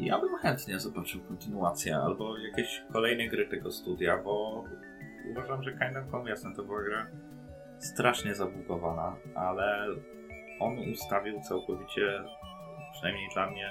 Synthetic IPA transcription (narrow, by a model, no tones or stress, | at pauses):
ja̰bɘmxɛnt̪ɲɛzɔbat͡ʂɘwkɔnt̪ɘnuat̪sʲjɛ̰a̰lbɔjakʲeɕkɔlɛjnɛɡɾɘt̪ɛɡɔst̪ud̪ʲjabɔ | ṵvaʐamʐɛkajnd̪ɛmkɔmʲjɛsnɛnt̪ɔbɘwaɡɾa | st̪ɾaʂɲɛzabluk̪ɔvanaʔalɛ | ʔɔnust̪avʲiwt̪sawkɔvʲit͡ɕɛ | pʂɨnajmɲejd̪lamɲɛ